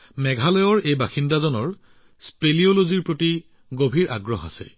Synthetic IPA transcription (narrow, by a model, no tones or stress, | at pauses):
mɛɡʱalɔjɔɹejbaxindazɔnɔɹ | spelioloziɹpɹoti | ɡobʱiɹʔa̰ɡɹɔɦa̰sɛ̰